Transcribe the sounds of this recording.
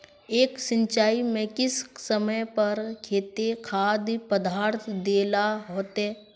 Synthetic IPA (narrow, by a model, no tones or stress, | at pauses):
eːksə̃ɲt͡ʃaːimẽkɪssəməjpɐɾkʰeːt̪ekʰaːd̪pəd̪aːɾt̪ʰd̪eːlaɦoːt̪ɦeː